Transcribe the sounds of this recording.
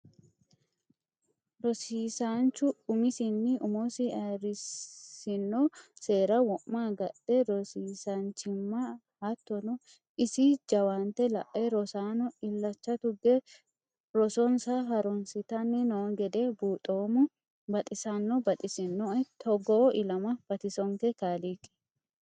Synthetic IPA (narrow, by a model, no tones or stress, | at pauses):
ɾɔsiːsant͡ʃːʊʊmɪsɪnːɪʊmosɪɐɾɪsɪnːɔse̞ːɾɐwɔʔmːaːɡɐɗd̥̪ɛɾɔsiːsɐnt͡ʃɪmːɐ | hɐt̪ːɔnɔ | ɪsɪd͡ʒɐwant̪ɛlɐ̰ʔːeɾɔsaːnɔɪlːɐt͡ʃːɐt̪ʊɡɛ | ɾɔsɔnsaɦɐɾɔnsɪt̪ɐnːɛnoɡɛd̪ebuːt̪ʼoːmʊ | bɐt̪ʼɪsanːɔbɐt̪ʼɪsɪnːɔt̪ʰɔɡɔʔɪlɐmɐb̥ɐt̪ɪsɔŋkɛkaːlikɛ̥